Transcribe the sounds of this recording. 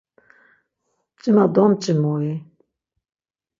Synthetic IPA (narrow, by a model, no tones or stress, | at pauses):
t͡ʃʼimad̪ɔmt͡ʃʼimɔi